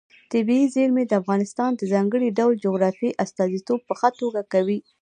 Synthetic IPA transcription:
t̪ɪbiizeɾmed̪əafɣɑnɪst̪ɑnd̪əzɑŋɡəɽiɖawld͡ʒoɣɾɑfiʔast̪ɑzit̪ob̚pəxat̪oɡakawi

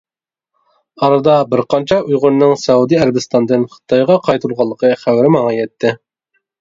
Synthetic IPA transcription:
ɑɾɨd̪ɑbɪɾqʰɑnt͡ʃʰɛujʁʊɾnɨŋsɛud̪iæɾɪbɪst̪ɑnd̪ɨnχə̥t̪ʰɑjʁɑqʰɑjt̪ʰulˠʁɑlˠːəqʰəχæwɾɪmɑŋɑjɛt̪ʰːɪ

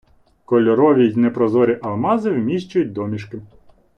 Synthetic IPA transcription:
kɔlʲɔɾɔʋʲizʲnɛpɾɔzɔɾʲiʔɐlˠmɑzɪwmʲiʃt͡ʃʊjʊt̚ʲd̪ɔmʲiʃkɪ

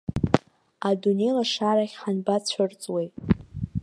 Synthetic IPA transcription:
adune̞jlaʂaɾaχʲħanbat͡ɕʷʰʊrt͡sʼwejtʼ

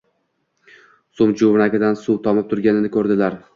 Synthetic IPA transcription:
sʊmd͡ʒʊvnakʲɪd̪ansuwt̪ʰɒmɪp̚t̪ʰʊɾɡʲanɪnɪkʰɵɾd̪ɪlaɾ

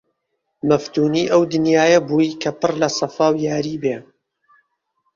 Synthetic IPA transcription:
mɐft̪uːniːʔɐwd̪ɨnjaːjɐbuːikʰɐpɨrlɐsɐfaːwjaːɾiːbeː

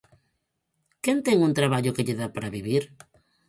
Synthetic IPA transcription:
kent̪ɛŋũnt̪ɾaβaʎʊkeʎeðapaɾaβiβiɾ

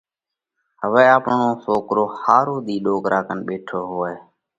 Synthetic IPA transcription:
ɦəʋɛːaːpɳõːsoːkɾoːhaːɾoːɗ̪iːɗoːkɾʔaːkənɓeːʈʰoːɦoːeː

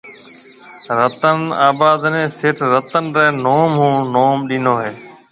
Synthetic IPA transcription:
ɾət̪ənaːbaːd̪nẽːsɪːʈʰɾət̪ənɾeːnoːmɦũːnoːmɗĩːnoːɦeː

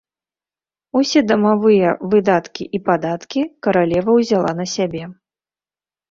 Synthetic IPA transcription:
usʲɛd̪ɐmavɨjɐvɨd̪at̪kʲiʔipad̪at̪kʲikɐɾalʲɛvɐwzʲalˠa̰nɐsʲabʲɛ

